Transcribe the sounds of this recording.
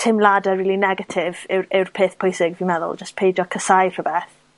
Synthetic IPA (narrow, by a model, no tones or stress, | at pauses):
tʰɪmlˠadəriːlˠinɛɡətʰɪvɪwɾɪwrpʰeːθpʰʊjsɪɡvimɛðʊ̰lˠd͡ʒəstpʰejd͡ʒɔkʰəsajr̥əbeːθ